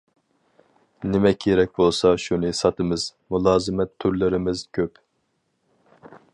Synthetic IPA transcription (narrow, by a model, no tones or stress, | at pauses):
nɪmɛkʲʰːeɾɛk̚ʲbolˠsɑʃunɨsɑt̪ʰɨmɨz̥mulˠɑːzɨmɛt̪ʰːyɾlɪɾɪmɪz̥kʲʰøp